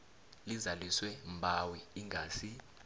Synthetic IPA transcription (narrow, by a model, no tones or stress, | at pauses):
lizaliswɛmbʱawiiŋʱaːsi